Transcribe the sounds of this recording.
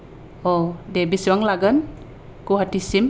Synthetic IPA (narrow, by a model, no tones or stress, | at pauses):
odebiswaŋlaɡən | kuɦatisim